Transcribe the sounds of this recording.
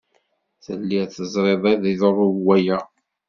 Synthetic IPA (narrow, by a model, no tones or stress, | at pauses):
θəlːiθəzˤɾˤeðˤæðiðrˤʊwæjæ